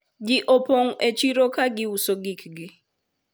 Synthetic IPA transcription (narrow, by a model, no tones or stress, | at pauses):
ɡɪʔopoŋet͡ʃiɾokaɡɪusoɡikɡɪ